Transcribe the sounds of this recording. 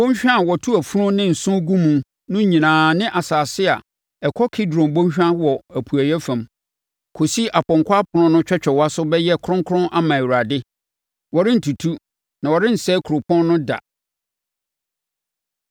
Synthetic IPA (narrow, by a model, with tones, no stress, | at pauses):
bõ˦ɲ˦ɕᶣã˦˨wɔ˨tʰu˦æ˨fu˦ɾʊ̃˦nɪ̃˦n̩˨sʊ̃˦ɡũ˦mũ˨m | nʊ̃˦ɲĩ˨nãː˨nɪ̃˦ʔa˨saː˨sɪ˦a̰˨ | ɛ˨kʰɔ˦kʰi˦dɾɔ̃˨mbõ˦ɲ˦ɕᶣã˦wɔ˨æ˨pʰu˨æ˨jɛ˦fã˨m | kʰo˨si˦ʔa˨pɔ̃˨ŋkʰʷwa˦pʰʊ˨nʊ̃˦nʊ̃˦t͡ɕᶣɛ˦t͡ɕᶣɛ˨wa˦sʊ˦bɛ˦jɛ˦kʰʊ˦ɾʊ̃˦ŋkʰʊ˦ɾʊ̃˦nʔa˦mã˨wu˨ɾa˨dɪ˦ | wɔ˨ɾɪ̃˦n̩˨tʰu˨tʰu˦ | nã˨wɔ˨ɾɪ̃˦n̩˨sɛ˦kʰu˨ɾo˨pʰɔ̃˦nːʊ̃˦da̰˨